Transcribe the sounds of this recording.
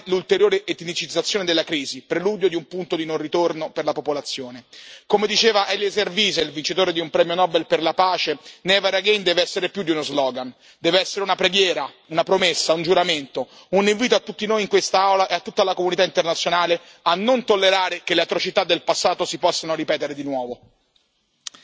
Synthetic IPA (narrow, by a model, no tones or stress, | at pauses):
lult̪eɾjoːɾeʔet̪nit͡ʃid̪zːat̪sjoːned̪elːakɾiːzipɾeluːd̪jod̪iumpunt̪od̪inonrːit̪ornoperlapopolat̪sːjoːnekomed̪it͡ʃeːvaʔɛlːezerviːzelvint͡ʃit̪oːɾed̪iumpɾɛːmjonɔːbelperlapaːt͡ʃenɛːvaɾaɡend̪ɛːveɛsːeɾepjud̪iunozlɔːɡan | d̪ɛːveɛsːeɾeunapɾeɡjɛːɾa | unapɾomesːaund͡ʒuɾament̪o | uniɱviːt̪oat̪ːut̪ːinoːjiŋkwest̪aawlaʔeat̪ːut̪ːalakomunit̪aint̪ernat̪sjonaːle | anːont̪olːeɾaːɾekeleat̪ɾot͡ʃit̪ad̪ːelpasːaːt̪osipɔsːanoɾipɛːt̪eɾed̪inwɔːvo